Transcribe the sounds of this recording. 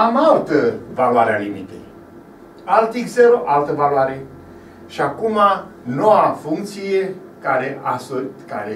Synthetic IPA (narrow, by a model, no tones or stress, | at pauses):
amalt̪əvalwaɾealimit̪ḛj | alt̪ikzeɾoʔalt̪əvaloaɾe | ʃiakuma | nowafuŋk̚t̪sije | kaɾeʔasoka̰ɾe